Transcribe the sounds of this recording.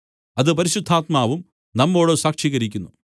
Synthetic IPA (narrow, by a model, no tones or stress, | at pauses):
ɐðɨp̬ɐɾiɕud̪ʱːaːt̪̚maːʋum | nɐmːo̞ːɽɨsaːkʂiːɣɐɾikʲːunːu